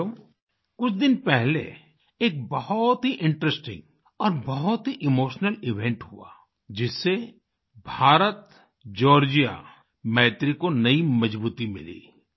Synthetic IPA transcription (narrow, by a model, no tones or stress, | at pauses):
o | kʊt͡ʃʰd̪ɪnpɛɦlḛ | eːk̚bɐɦɔt̪ɦiʔɪ̃ɳʈɾəsʈɪ̰̃ŋɡ | ɔːɾbɐɦʊt̪ɦiʔɪmoːʃnəlɪʋẽɳʈɦṵa̰ː | d͡ʒɪsːe | bʱaːɾət̪ | d͡ʒɔːɾd͡ʒija̰ | mɛːt̪ɾikonɐimɐd͡ʒbuːt̪imɪ̰lḭː